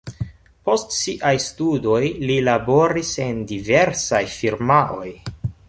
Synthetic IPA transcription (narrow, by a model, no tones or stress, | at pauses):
po̞stsiʔajstudo̞jlilabo̞ɾise̞ndiveɾsajfiɾmaʔo̞j